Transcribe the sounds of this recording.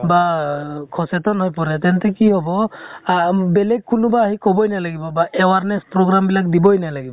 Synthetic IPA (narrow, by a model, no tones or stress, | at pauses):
bakʰɔsɛt̪ɔnɦɔjpɔɾɛt̪ɛntɛkiɦɔbɔ | bɛlɛɡ̚kːunubaːɦikɔbɔjnajlaɡibɔbaɛwaɹnɛspɹɔɡɹambilak̚dibɔjnajlaɡibɔ